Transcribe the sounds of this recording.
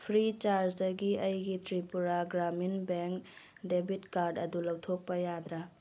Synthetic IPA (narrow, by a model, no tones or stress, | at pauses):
pʰɾit͡ʃaɾsdɐɡiɐjɡitɾipuɾaɡɾaminbeŋk | debʱitkaɾdɐdulɐwtʰok̚pɐjad̪ɾa